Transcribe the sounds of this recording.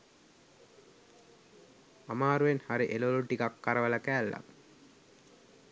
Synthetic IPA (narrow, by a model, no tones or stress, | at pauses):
amaːɾuʋenhaɾiʔeloluʈikakːaɾəʋələkæːlːa̰